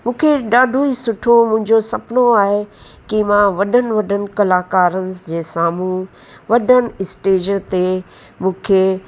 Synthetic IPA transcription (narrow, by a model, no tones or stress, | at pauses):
mũːkʰeɗaːɖʱoisʊʈʰomʊ̃ɦɪ̃ɲd͡ʑosɐpnoaːɦe | kimãʋɐɗʱənɪ̆ʋɐɖʱənɪ̆kɐlaːkaːɾənɪ̆d͡ʑeːsaːmu | ʋɐɗʱənɪ̆ɪsʈeːd͡ʑəɾt̪e | mũːkʰeː